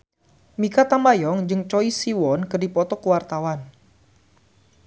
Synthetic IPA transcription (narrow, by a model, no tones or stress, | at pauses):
mikat̪ambajɔŋd͡ʒɨŋt͡ʃɔisiwɔnkədipɔt̪ɔkuwart̪awan